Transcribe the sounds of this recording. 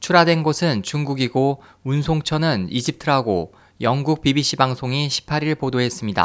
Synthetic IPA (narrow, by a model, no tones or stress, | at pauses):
t͡ɕʰuɾadwe̞nɡosʰɯnt͡ɕuŋɡuɡiɡo | unsʰoŋt͡ɕʰʌnɯnid͡ʑip̚tʰɯɾɦaɡo | jʌŋɡuk̚pibiɕʰibaŋsʰoŋiɕʰi̥pʰaɾiɭpodoɦe̞s͈ɯmɲida̰